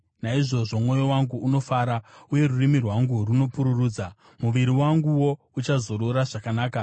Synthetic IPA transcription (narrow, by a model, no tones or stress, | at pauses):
naiʐo̞ʐo̞mwo̞jo̞waŋɡuuno̞faɾauje̞ɾurimirwaŋɡuruno̞puɾuruːd͡za | muʋiɾiwaŋɡuwo̞ | ut͡ʃazo̞ɾoɾaʐakanaːka